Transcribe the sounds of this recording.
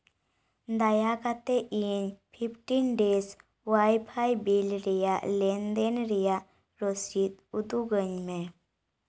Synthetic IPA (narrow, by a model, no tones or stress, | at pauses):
d̪ajakat̪eʔinpʰipʰʈinɖes | wajpʰajbilɾijalɛnd̪enɾija | ɾosit̪̚ud̪uɡəɲme